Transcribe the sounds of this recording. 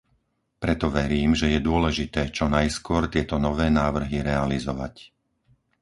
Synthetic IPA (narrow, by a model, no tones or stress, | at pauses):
pɾɛt̪ɔʋɛɾiːmʒɛjɛd̪ʊɔlɛʒit̪ɛːt͡ʃɔnajskʊɔɾt̪ɪɛt̪ɔnɔʋɛːnaːʋr̩ɦiɾɛalizɔʋa̰c